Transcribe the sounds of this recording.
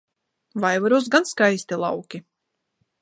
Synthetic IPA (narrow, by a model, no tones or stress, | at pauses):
vajvaɾus̬ɡanskajst̪ilˠa̰wkʲi